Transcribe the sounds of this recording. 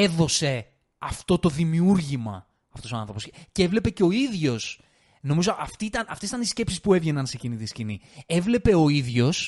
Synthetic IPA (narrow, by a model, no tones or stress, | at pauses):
e̞ðo̞se̞ | ɐft̪o̞t̪o̞ðimiuɾʝimɐ̰ | ɐft̪oo̞ɐnθɾopo̞scevle̞pe̞ceo̞iðʝo̞s | no̞mizo̞ʔɐft̪iit̪ɐnɐft̪esi̥t̪ɐnisce̞psispue̞vʝe̞nɐnse̞cinit̪iscinie̞vle̞pe̞o̞iðʝo̞s